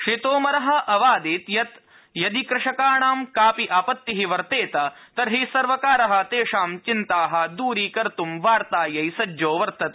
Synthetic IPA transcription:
kʂit̪oːmɐɾɐɦɐʔɐʋaːd̪iːt̪jɐt̪ | jɐd̪ikɾɪʂɐkaːɳaːmkaːpiʔaːpɐt̪ːiɦiʋɐɾt̪eːt̪ɐt̪ɐɾɦisɐɾʋɐkaːɾɐɦɐ̆t̪eːʂaːmt͡ʃint̪aːɦɐ̆d̪uːɾiːkɐɾt̪umʋaːɾt̪aːjɐjsɐd͡ʒoːʋɐɾt̪ɐt̪

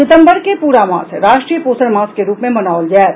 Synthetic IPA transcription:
ɪt̪ə̃mbəɾkepuːɾamã̰ːsɾaːʃʈɾijəpoːsəɽmãːskeɾuːpmẽmɐnaːʋld͡ʒɛː

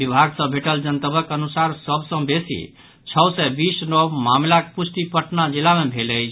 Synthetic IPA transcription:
bibʱaɡsə̃bʱeʈəld͡ʒənt̪əbəkənusaɾsəbsə̃besḭ | t͡ʃʰəsɛbisnɔbmamlakpusʈ̪ipəʈnad͡ʒilamebʱeləjt͡ʃʰ

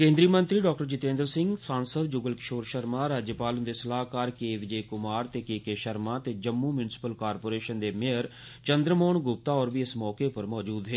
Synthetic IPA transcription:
kẽːnd̪ɾiːmə̃nt̪ɾiːɖɔːk̚ʈəɾt͡ʃɪt̪ẽːnd̪əɾsɪ̃ŋɡsaːnsəd̪̚d͡ʒʊɡəlkɪ̥ʃoːɾʃəɾmãːɾaːd͡ʒjəpaːlənd̪eːsəlaːɦkaːɾkeːʋɪd͡ʒeːkʊmaːɾt̪eːkeːkeːʃəɾmãːt̪eːd͡ʒəmːuːmjʊnɪsɪ̥pəlkaːɾpoːɾeːʃənd̪eːmeɦəɾ | t͡ʃənd̪ɾəmoːnɡʊp̚t̪aːɔːɾbiːɪsmɔːkeːpəɾmɔːd͡ʒuːd̪ɦeː

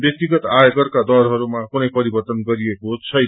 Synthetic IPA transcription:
bjʌk̚t̪iɡʌt̪ajoɡʌrkad̪ʌrɦʌɾumakunʌjpʌɾibʌrt̪ʌnɡʌɾijekot͡sʰʌ

